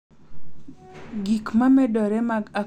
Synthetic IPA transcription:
ɡikmamɛdɔɾɛmaɡa

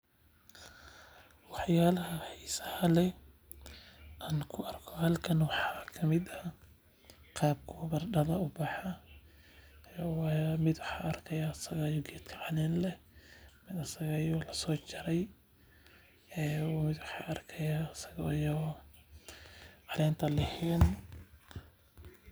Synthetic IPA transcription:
wɑħjaːlɐɦɐħɛsɐhɐlɛ | ʔaːnkʰʊɐrkʰɔhɐlkʰɐnwɑħɑkʰɐmɪd̪ɐ | qɑːb̚kʰɔbɐrɖɐðɐʊbɑħɑ | wmɪd̪wɑħɑːʔɐrkʰɐjaːsɐɣajɔɡɛːd̪kʰɐʕɑnɛːnlɛ | mɪd̪ɐsɐɣɐjɔlɐsɔːt͡ʃɪɾɛj | ɛːwmɪd̪wɑħɑːʔɐrkʰɐjasɐɣɐjɔ | ʕɑlɛːnt̪ʰɐlɛhɛn

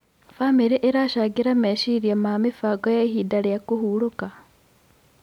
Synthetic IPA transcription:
famiɾiʔeɾaʃaɡiɾameʃiɾijamamifaɡojehidalijakuhuluka

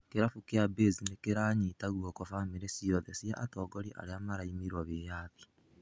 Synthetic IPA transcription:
keɾafukeabeːzinekeɾaːɲitaɣwokofamiɾesiɾoðesiaʔatoːɡoɾiʔa̰ɾeamaɾaimiɾwaβejaːti̥

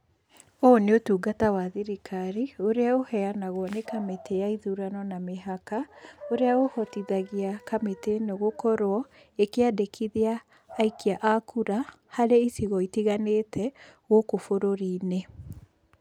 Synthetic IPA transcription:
oneotuːɡatawaðiɾikʰaɾioɾeaohɛanaɣwɔnekametejaiðuɾanɔnameɦakaoɾeaohɔtiðaɣiakametenoɣokɔɾwɔ | ekeadekʰiðiaː | ikiaʔakʰuɾa | haɾeisiɣɔitiɣanetʰɛɣokofoɾoɾiːne

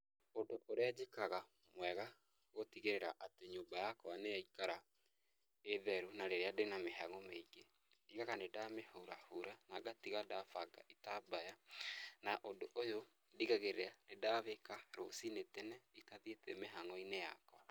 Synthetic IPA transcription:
odoʔoɾead͡ʑekaɣa | mwɛɣa | ɣotiɣeɾeɾaʔateɲoːmbajakɔanejaikaɾa | eðɛɾunaɾeɾeadenameɦaŋɔmeiɡe | diɣaɣanedamehouɾahuɾanaɡatiɣadafaɡa̰ʔitabajanaʔodoʔojo | diɣaɣeɾeanedaβekaɾosinetɛnɛitaðietɛmeɦaŋɔineja̰kwɔ

